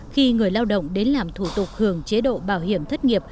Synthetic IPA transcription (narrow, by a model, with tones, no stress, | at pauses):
xi˧ŋɨ˨˩əjlaː˧wɗə̰˧˨wŋ͡mɗe˨˦nlaː˨˩mt̪ʰu˧˩t̪ʊ˨˩k͡p̚hɨ˧˩əŋt͡ɕe˨˦ɗo̰˧˨ɓaː˧˩whi˧˩əmt̪ʰə˦˥t̚ŋi˨˩əp̚